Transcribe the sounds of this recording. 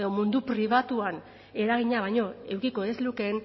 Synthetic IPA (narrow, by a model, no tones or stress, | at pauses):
ðo̞mund̪upɾiβ̞at̪uan | e̞ɾaɣ̞iɲaβ̞ajɲo̞e̞wkiko̞ezluke̞n